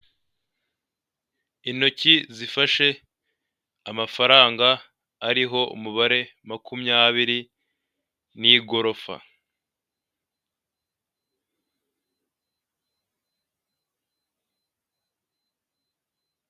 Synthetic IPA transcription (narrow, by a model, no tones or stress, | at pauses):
ino̞cizifaʃe̞ | amafaɾaːŋɡaː | ɾiɦo̞ṵmuβaɾe̞makʰumɲaːβiɾi | niɡo̞ɾo̞fa̰